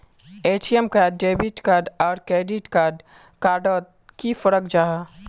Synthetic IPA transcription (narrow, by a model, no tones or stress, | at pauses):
eːt͡ʃiemkaːɖːeːbiʈkaːɾɖɔːɾkɾeːɖiʈkaːɾɖ | kaːɾɖɔː | kifəɾəkd͡ʒaːa